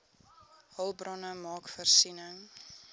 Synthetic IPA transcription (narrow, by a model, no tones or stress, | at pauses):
hɐlˠbrɔnəmɑːkfərsinəŋ